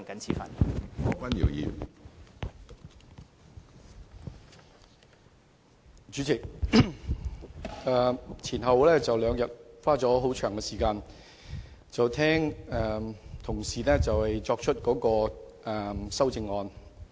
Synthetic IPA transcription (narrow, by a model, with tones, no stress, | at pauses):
ŋkɐ˨˥nt͡sʰiː˨˧fɐ̰˨˩nː˧kwɐ˥njḭː˨˩wjḭ˨ | t͡ʃyː˨˥t͡sʰi˨˩ | ɛː˨t͡sʰiː˨˩nɦɐ˨wlɛː˥t͡sɐ˨wlœː˨˧ŋjɐ˨t̚faː˥t͡sɔː˨˥ɦo˨˥wt͡ʃʰœː˨˩ŋkɛ˧siː˨˩kaː˧n | t͡sɐ˨wt̪ʰɛː˥ŋɛː˨˩t̪ʰʊ˨˩ŋsiː˨˩lɛː˥t͡sɐ˨whɐ˨jt͡sɔː˧k̚t͡ʃʰɵ˥t̚kɔː˨˥kɔː˧ | ɛ˨˩sɐ˥wt͡sɪ˧ŋːɔː˧n